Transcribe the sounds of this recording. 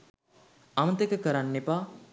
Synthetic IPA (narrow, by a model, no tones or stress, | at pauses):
amət̪ekəkəɾanːepaː